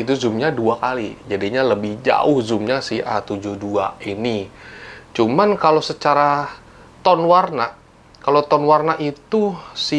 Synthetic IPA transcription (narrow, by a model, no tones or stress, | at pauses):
it̪̬uzumɲaduakalid͡ʒadiɲaləbɪhd͡ʒa̰ʊhzumɲasɪhat̪ud͡ʒuhdua̰ini | t͡ʃumankalosət͡ʃaɾa | t̪ɔnwarna | kalot̪ɔnwarnaʔit̪usɪ